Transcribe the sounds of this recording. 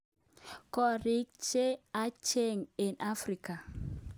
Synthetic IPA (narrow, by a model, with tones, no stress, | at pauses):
kɔ˦ɾi˦k̚t͡ʃe˦a˦t͡ʃe˦ŋi˨nʔa˦fɾi˨ka˨